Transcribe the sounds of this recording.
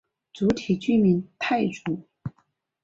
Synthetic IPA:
t͡su˧˥t̪ʰi˨˩t͡ɕy˥˨mi˧˥nt̪ʰa˥˩ɪʈ͡ʂu˧˥

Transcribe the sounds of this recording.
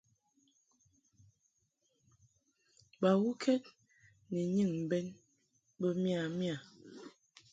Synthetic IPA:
ba˨wu˦kʰɛ˦t̚ | nɛ˨ɲɨ˦˨ŋm̩˨bɛ˦n | bə˦m˦a˨mja˨

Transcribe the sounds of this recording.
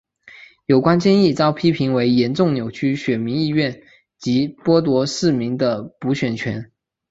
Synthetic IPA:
jo˨˩ʊkwa˥nt͡ɕjɛ˥˧ni˥˩t͡sɑ˥ʊpʰi˥pʰi˧˥ŋwe˧˥ɪjɛ˧˥nʈ͡ʂʊ˥˩ŋnjo˨˩ʊt͡ɕʰy˥ɕɥɛ˨˩nmi˧˥ni˥˧ɥɛ˥˩n | t͡ɕi˧˥pwɔ˥t̪wɔ˧˥ʂɻ̩˥˩mi˧˥ŋd̪ə˨pu˧˥ɕɥɛ˨˩nt͡ɕʰɥɛ˧˥n

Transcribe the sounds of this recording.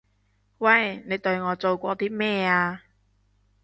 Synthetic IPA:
wɐ˥˨jne˨˧jt̪ɵ˧ɥŋɔː˨˧t͡so˨wkʷɔː˧t̪iː˥mɛː˥aː˧

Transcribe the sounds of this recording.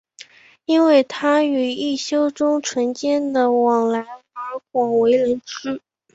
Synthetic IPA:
i˥nwe˥˩ɪt̪ʰa˥y˨˩i˥˩ɕjo˥ʊʈ͡ʂʊ˥ŋʈ͡ʂʰwə˧˥nt͡ɕjɛ˥˩nd̪ə˨˩wɑ˨˩ŋla˧˥ɪə˞˧˥xwɑ˨˩ŋwe˧˥ɪlə˧˥nʈ͡ʂɻ̩˥

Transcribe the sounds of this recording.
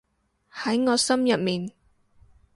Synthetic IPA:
hɐ˨˥jŋɔː˨˧sɐ˥mjɐ˨t̚miː˨n

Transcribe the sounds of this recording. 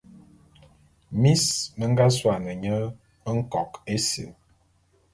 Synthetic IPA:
mi˦smə˦ŋ̩˦ɡa˦swa˨nə˨ɲə˦ | ə˦ŋ̩˦kɔ˨ke˦sḭ˨

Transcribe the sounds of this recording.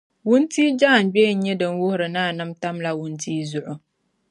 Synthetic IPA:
wʊ˦ntiː˦d͡ʒaː˦˨n˨ɡ͡bɛ˦˨n̩˦ɲɛ˦dɨ˨n˦wʊ˦hʊ˦ɾɨ˨naː˦˨nɨ˦mta˦mla˦wʊ˦ntiː˦zʊ˨ʔʊ˨

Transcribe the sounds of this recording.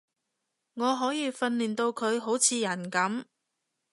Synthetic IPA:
ŋɔː˨˧ɦɔː˨˥jiː˧fɐ˧nliː˨˩nt̪o˧wkʰɵ˨˧ɥɦo˨˥wt͡sʰiː˨˧jɐ˨˩nkɐ˨˥m

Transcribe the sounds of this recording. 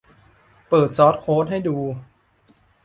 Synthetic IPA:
pɤː˨˩t̪̚sɔː˦˥t̪̚kʰoː˦˥t̪̚ha˥˩jduː˧

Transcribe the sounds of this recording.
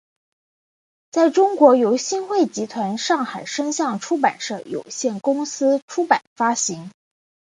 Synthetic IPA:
t͡sa˥˩ɪʈ͡ʂʊ˥ŋkwɔ˧˥jo˧˥ʊɕi˥˧nxwe˥˩ɪt͡ɕi˧˥t̪ʰwa˧˥nʂɑ˥˩ŋxa˨˩ɪʂə˥ŋɕjɑ˥˩ŋʈ͡ʂʰu˥pa̰˨˩nʂɤ˥˩jo̰˨˩ʊɕjɛ˥˩nkʊ˥ŋsɹ̩˥ʈ͡ʂʰu˥pa˨˩nfa˥ɕi˧˥ŋ

